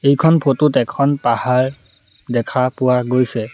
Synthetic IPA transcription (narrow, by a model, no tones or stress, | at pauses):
ejkʰɔnpʰotutɛkʰɔnpahaɹ | dɛkʰapʊwaɡojsɛ